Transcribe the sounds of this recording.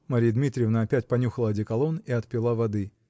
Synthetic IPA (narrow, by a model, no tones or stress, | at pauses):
mɐɾʲijəd̪mʲit̪ɾʲɪjvnəɐpʲætʲpɐnʲuxəlˠəɐdʲɪkɐlˠoniɐt̪pʲɪlˠavɐd̪ɨ